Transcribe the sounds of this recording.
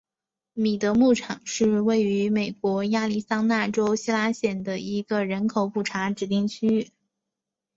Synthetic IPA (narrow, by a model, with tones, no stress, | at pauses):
mi˨˩t̪ɤ˧˥mu˥˩ʈ͡ʂʰɑ˨˩˦ŋʂɻ̩˥˧we˥˩ɪy˧˥me˨˩ɪkwɔ˧˥ja˥˧li˥˩sɑ˥ŋna˥˩ʈ͡ʂo˥ʊɕi˥la˥ɕjɛ˨˩nd̪ə˩i˧˥ɡə˧ɻə˧˥nkʰo˨˧˩ʊpu˨˩ʈ͡ʂʰa˧˥ʈ͡ʂɻ̩˧˥t̪i˥˧ŋt͡ɕʰy˥y˥˩